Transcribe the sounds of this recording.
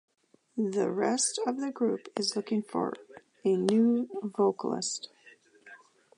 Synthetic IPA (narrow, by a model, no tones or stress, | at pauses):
ðɨɹɛstʌvðɨɡɹʉpɨzlʊkɪ̃ŋfə̰˞ | ɨnʉvoʊkəl̩ˠɪ̰st